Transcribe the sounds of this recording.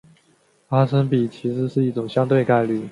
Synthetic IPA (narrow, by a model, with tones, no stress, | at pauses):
a˥sə˥npi˨˩t͡ɕʰi˧˥ʂɻ̩˥˧˥ʂɻ̩˥˧i˥˩ʈ͡ʂʊ˨˩ŋɕjɑ˥ŋt̪we˥˧ɪka˥˧ɪly˥˩